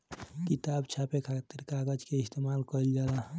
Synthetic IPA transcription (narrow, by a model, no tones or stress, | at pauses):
kit̪abt͡ʃʰapekʰat̪iɾkaɡəd͡ʒkeist̪emalkəld͡ʒala